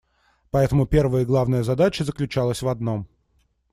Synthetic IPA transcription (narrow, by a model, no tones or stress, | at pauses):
pɐɛt̪əmʊpʲe̞rvəjəɡlˠavnəjəzɐd̪at͡ɕəzəklʲʉt͡ɕalˠəsʲvɐd̪no̞m